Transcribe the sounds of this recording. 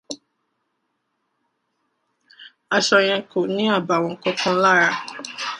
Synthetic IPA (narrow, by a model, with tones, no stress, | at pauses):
a˧ʃɔ˧j̃ɛ̃˧ko˨nĩ˨˦a˦˨ba˨wɔ̃˧˨kɔ̃˧˦kɔ̃˧˦la˦˨ɾa˧